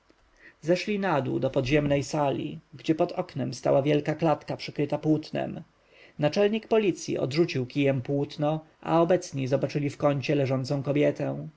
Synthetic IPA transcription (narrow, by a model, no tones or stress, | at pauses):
zɛʂlʲinad̪ṵd̪ɔpɔd̪ʑɛmnɛjsalʲḭɡd͡ʑɛpɔt̪ɔknɛmst̪a̰wavʲjɛlkaklat̪kapʂɘkɾɘt̪apwut̪nɛ̰m | nat͡ʂɛlɲikpɔlʲit̪sʲjḭʔɔ̰d̪ʐut͡ɕiwkʲijɛmpwut̪nɔ | ʔa̰ɔbɛt̪sɲizɔbat͡ʂɘlʲifkɔɲt͡ɕɛlɛʐɔnt̪sɔ̃w̃kɔbʲjɛt̪ɛw̃